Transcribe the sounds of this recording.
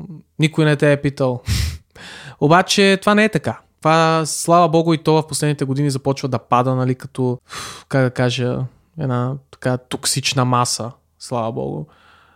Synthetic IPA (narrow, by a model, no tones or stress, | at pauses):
nikojnɛt̪ɛːpit̪əlˠ | obat͡ʃɛt̪ovanɛɛt̪ɐkat̪ovaslˠavɐbɔɡʊit̪ɔvɐfposlɛd̪nit̪ɛɡod̪inizɐpɔt͡ʃvəd̪ɐpad̪ənɐlikɐt̪ɔkaɡ̚d̪ɐkaʒə | ɛ̰d̪nat̪ɐ̥kat̪oksit͡ʃnɐmasə | slˠavɐbɔ̰ɡʊ̰